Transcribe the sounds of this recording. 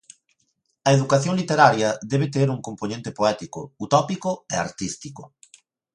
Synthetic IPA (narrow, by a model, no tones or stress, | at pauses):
ɐeðukaθjõŋlit̪eɾaɾjɐðɛβɪt̪eɾuŋkomponẽnt̪epoɛt̪ikʊ̰ut̪ɔpikʊɛa̰ɾt̪ist̪i̥kʊ